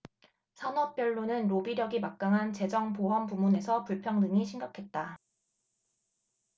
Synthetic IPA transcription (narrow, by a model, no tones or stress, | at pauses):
sʰanʌp̚p͈jʌɭːunɯnɾobiɾjʌɡimak̚k͈aŋɦant͡ɕe̞d͡ʑʌŋpoɦampumune̞sʰʌpuɭpʰjʌŋnɯŋiɕʰiŋɡakʰe̞t̚t͈a